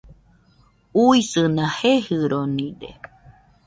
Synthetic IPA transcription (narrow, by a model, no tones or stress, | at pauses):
uisɨnãhehɨɾonĩdḛ